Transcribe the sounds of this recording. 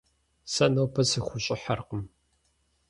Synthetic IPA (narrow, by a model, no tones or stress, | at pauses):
sɐnɐwpʰɐsɨxʷʊɕʼɪħa̰rqəm